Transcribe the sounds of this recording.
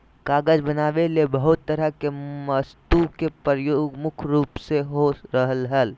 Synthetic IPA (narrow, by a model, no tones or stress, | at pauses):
kaːɡəd͡ʒbənaːʋelebəɦʊt̪ːəɾəkeməst̪ukepɾəjoːɡmʊkʰɾuːpseɦoɾəɦəlɦəl